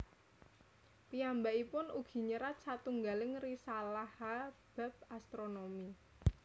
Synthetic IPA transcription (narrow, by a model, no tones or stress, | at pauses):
piambaʔipʊnuɡ̥i̤ɲəɾat̪̚sat̪uŋɡalɪŋrisalahab̥a̤p̚ast̪ɾonomi